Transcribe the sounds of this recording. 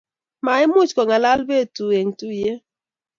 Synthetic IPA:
ma˨i˦mu˦t͡ʃkɔ˨ŋa˨la˦lbe˦˨tu˨e˨ŋ̩˨tu˦˨je˦

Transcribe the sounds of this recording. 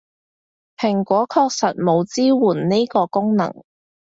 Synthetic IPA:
pʰɪ˨˩ŋkʷɔː˨˥kʰɔː˧k̚sɐ˨t̚mo˨˧wt͡siː˥wuː˨˩nni˥kɔː˧kʊ˥ŋnɐ̰˨˩ŋ

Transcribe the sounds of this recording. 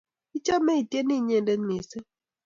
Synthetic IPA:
i˦t͡ʃa˦mɛ˦i˨tjɛ˦ni˦˨ɲɛ˦˨ndɛ˦nmɪ˨se˦

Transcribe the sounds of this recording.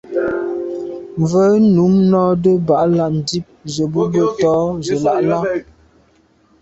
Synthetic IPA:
ɱvə˦nu˨˦mnɔ˦də˦ba˨ʔla˦˨ʔn̩˨di˦p̚zə˨bə˦bə˦˨tɔ˦zə˨la˨ʔla˦

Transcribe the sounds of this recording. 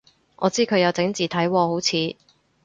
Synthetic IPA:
ʔɔː˨˧t͡siː˥kʰɵ˨˧ɥjɐ˨˧wt͡sɪ˨˥ŋt͡siː˨t̪ʰɐ˨˥jwɔː˧ho˨˥wt͡sʰiː˨˧

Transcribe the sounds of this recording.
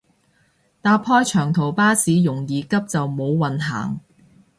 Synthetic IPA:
t̪aː˧pʰɔː˥jt͡ʃʰœː˨˩ŋt̪ʰo˨˩wpaː˥siː˨˧jʊ˨˩ŋjiː˨˧kɐ˥p̚t͡sɐ˨wmo˨˧wwɐ˨nɦa̰ː˨˩ŋ

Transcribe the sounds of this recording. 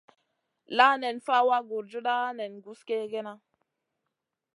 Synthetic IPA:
la˦ne˨nfa˦wa˦ɡu˨ɾd͡ʒu˦ɗa˦ne˨nɡu˦ske˦ɡe˦na˦

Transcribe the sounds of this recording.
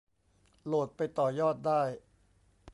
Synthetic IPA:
loː˨˩t̪̚pa˧jt̪ɔː˨˩jɔː˥˩t̪̚daː˥˩j

